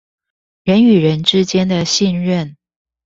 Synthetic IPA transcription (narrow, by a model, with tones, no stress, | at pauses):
ɻə˧˥ny˨˩ɻə˧˦nʈ͡ʂɻ̩˥t͡ɕjɛ˥nd̪ə˨ɕi˥˧nɻə˥˨n